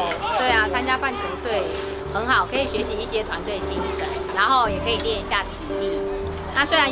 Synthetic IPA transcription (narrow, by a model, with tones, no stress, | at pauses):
t̪we˥˩ɪa˨˩t͡sʰa˥nt͡ɕja˦˥pa˥˩nt͡ɕʰə˧˥ŋt̪we˥˩ɪ | xə˧˦˥nxɑ˨˩ʊkʰɤ˧˦˥i˨˩ɕɥɛ˧˦ɕi˧˦i˥˩ɕjɛ˦t̪ʰwa˧˦nt̪we˥˩ɪ˩t͡ɕi˦ŋʂə˨˦nɻa˧˥nxo˥˩ʊjɛ˨˩kʰɤ˧˦i˨˩ljɛ˥˧ɕja˥˩t̪ʰi˧˥t̪i˥˩ | na˥˨swe˥ɪɻa˧˦n